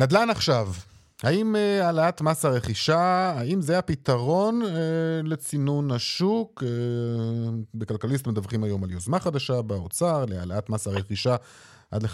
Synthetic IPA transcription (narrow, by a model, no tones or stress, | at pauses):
nadlanaχʃav | haimealaat̪masaʁe̞χiʃaaimzeapit̪aʁo̞nelet͡sinunaʃuke | bekalkalis̬t̪med̪avχimajo̞maljozmaχad̪aʃabaot͡saʁlea̰laatmasaʁeχiʃa | ʔa̰d̪le